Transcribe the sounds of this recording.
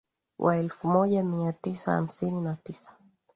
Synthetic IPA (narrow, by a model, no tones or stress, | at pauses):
wʔa̰ɛlfumɔʄamiatisaha̰m̩sininatisḁ